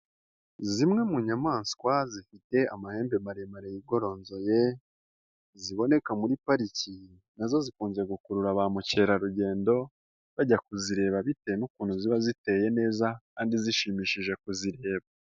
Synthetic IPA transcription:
zimŋe̞muɲamaːnskwazifite̞amahe̞ːmbe̞maɾemaɾejiɡo̞ɾo̞ːnzo̞je̞ | ziβo̞ne̞kamuɾipaɾici | nazo̞zikuːɲzeɡukuɾuɾaβamuce̞ːɾaɾuɟe̞ːndo̞ | βaɟakuziɾe̞ːβaβitejenukuːnhuziβazite̞ːje̞ne̞ːzakaːndiziʃimiʃiʒe̞kuziɾe̞ːβa

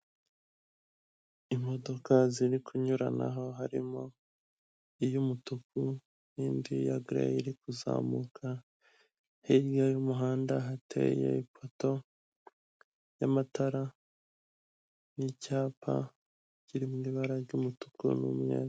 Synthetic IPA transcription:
imo̞do̞kʰaziɾikʰuɲuɾana̰ɦo̞ɦaɾimo | ijumutuku | niːndija̰ɡɾḛiɾikuza̰ːmukʰa | hiɾɡajumuɦaːndaɦatʰḛjḛipʰoto̞ | jamataɾa | nicaːpʰa̰ | ɟ̥iɾimumiβaɾaɾɟumutu̥kṵnṵmɲḛːz

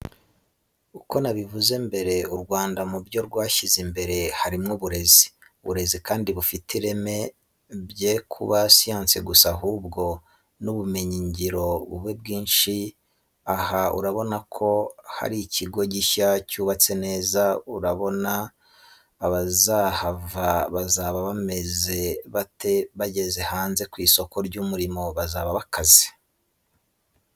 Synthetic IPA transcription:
uko̞naβivuze̞mbe̞ɾe̞uɾɡwaːndamubjo̞ɾɡwaːʃizimbe̞ɾe̞haɾimŋoβuɾe̞zi̥ | βuɾe̞zikaːndiβufitʰiɾe̞me̞ | bjekʰuβasijaːnseɡusaɦubɡo̞ | nuβume̞ɲiɲɟiɾo̞βṵβeb̚ɡiːnʃi | ahaṵɾaβo̞nakʰo̞ha̰ɾiciɡo̞ɟiʃacuːβat͡se̞ne̞ːzauɾaβo̞naː | βazahavaβazaβaβame̞ze̞βate̞βaɟe̞ze̞haːnze̞kwiːso̞ko̞ɾɟumuɾimo̞βazaːβaβakʰazi̥

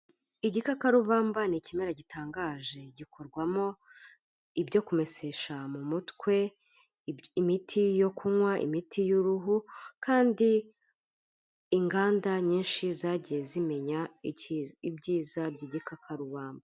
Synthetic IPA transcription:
iɟikakaɾuβaːmbanicimeɾaɟitaːŋɡaːʒe̞ɟiko̞ɾɡwamo̞ | ibɟo̞kume̞seʃamumutkwe̞ | imitʰijo̞kumwaʔḭmitʰijuɾuɦukaːndi | ŋɡaːndaɲiːnʃizaɟijezime̞ɲa | ibɟiːzabɟiɟikakʰaɾuβaːmba

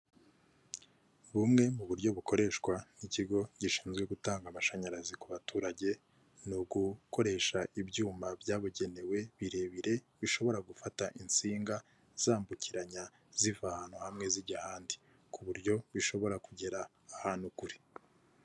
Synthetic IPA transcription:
βumŋe̞muβuɾjo̞βukʰo̞ɾe̞ʃkwaniciɡo̞ɟ̥iʃi̥ːnzɡwe̞ɡutaːŋɡamaʃaɲaɾazikuβatʰuːɾaɟe̞ | nuɡuko̞ɾe̞ʃaibɟuːmabjaːβuɟe̞ne̞we̞βiɾe̞βiɾe̞ | βiʃo̞βo̞ɾaɡufataʔint͡siːŋɡa | z̥aːmbuciɾaɲa | z̥ivahaːnhuhamŋe̞ziɾɟahaːndi̥ | kuβuɾɟo̞βiʃo̞βo̞ɾakuɟe̞ɾaː | haːnhukuɾi̥

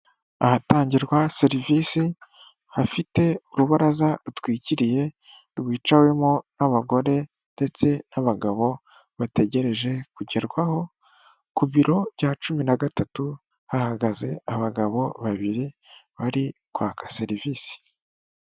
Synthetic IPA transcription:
ahataːɲɟiɾɡwase̞ɾivisi | hafite̞uɾuβaɾazaɾutwiːciɾije̞ | ɾɡwiːt͡ʃawe̞monaβaɡo̞ɾe̞ | nde̞t͡se̞naβaɡaβo̞ | βate̞ɟe̞ɾe̞ʒe̞kuɟe̞ɾɡwaho̞ | kuβiɾo̞βjaːt͡ʃuminaɡatatu | hahaɡaze̞aβaɡaβo̞βaβiɾiβaɾikwaːkḁse̞ɾiviːsi̥

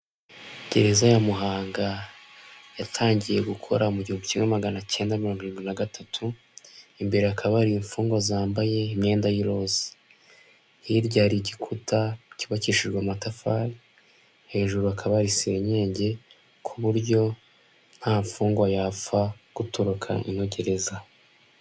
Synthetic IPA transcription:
ɟ̥e̞ɾe̞zajamuɦaːŋɡa | jatʰaːɲɟije̞ɡukʰo̞̰ɾamuɟihumbucimŋemaɡanace̞ːndamiɾoŋɡuiɾiːnɡwinaɡatʰatʰu | imbe̞ɾeakʰaβaɾiiɱfuːŋɡwazaːmbaje̞imɲe̞ːndajiɾo̞ze̥ | hiɾɟaːɾiɟikʰutaciβaciʃiʒɡwamatafaɾi | he̞ːʒuɾuakʰaβaɾise̞ːɲe̞ːɲɟe̞ | kʰuβuɾɟo̞ | n̥haːɱfuːŋɡwajafaɡ̥utoɾukʰa̰ʔḭno̞ɟe̞ɾe̞za

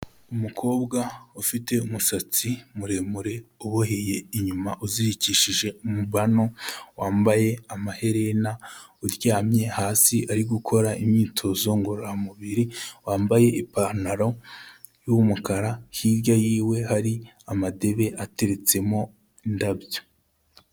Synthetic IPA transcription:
umukʰo̞ːbɡaufite̞umusat͡simuɾe̞muɾe̞uβohe̞je̞iɲumaʔuziɾiciʃiʒe̞umuβano̞waːmbaje̞amahe̞ɾe̞nauɾɟaːmɲe̞haːsiʔaɾiɡukʰo̞ɾaimɲiːtʰo̞zo̞ŋɡoɾoamuβiɾiwaːmbaje̞ʔipaɾnaɾo̞ | jumukaɾahiɾɟajiːwe̞haɾi | amade̞βe̞ʔate̞ɾe̞t͡se̞mo̞ | indabjo̥

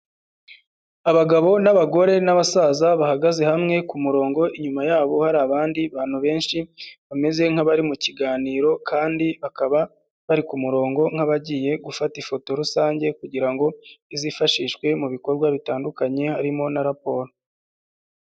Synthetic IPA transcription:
aβaɡaβo̞naβaɡo̞ɾe̞naβasaːzaβahaɡaze̞hamŋe̞kumuɾo̞ːŋɡo̞ʔiɲumajaːβo̞haɾaːβaːndiβaːn̥huβe̞ːnʃiβame̞ze̞ŋ̥haβaɾimuciɡaːniːɾo̞kʰaːndiβakaβa | βaɾikumuɾo̞ːŋɡo̞ŋ̥haβaɟiːje̞ɡufatifo̞to̞ɾusaːɲɟe̞kuɟiɾaŋɡo̞izifaʃiʃkwe̞muβiko̞ɾɡwaβitaːndukaɲe̞haɾimo̞naɾapo̞ːɾo

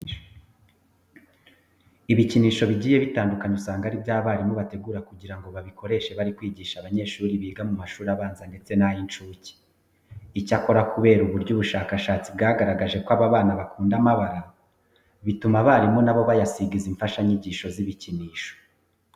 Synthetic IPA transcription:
iβiciniːʃo̞βiɟiːje̞βitaːndukaɲeusaːŋɡaɾibjaːβaɾimoβate̞ɡuːɾakuɟiɾaŋɡo̞βaβikʰo̞ɾe̞ʃe̞βaɾikwiːɟiːʃaβaɲe̞ːʃuːɾiβiːɡamumaʃuːɾiaβaːnzande̞t͡se̞najint͡ʃuːci̥ː | cako̞ɾakuβe̞ːɾuβuɾɟuːβuʃaːkaʃaːt͡sibɡaːɡaɾaɡaʒe̞kwaβaβaːnaβakʰuːndamaβaɾa | βitumaβaɾimo̞naβo̞βajasiɡiziɱfaʃaɲiɟiːʃo̞ziβiciniːʃo̥

